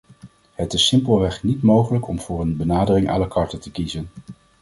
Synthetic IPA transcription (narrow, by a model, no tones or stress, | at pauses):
hətɪsɪmpəlˠʋɛχnitmowχələkɔmv̥ʊːrənbənaːdərɪŋʔa̰ːləkɑɹtətəkizən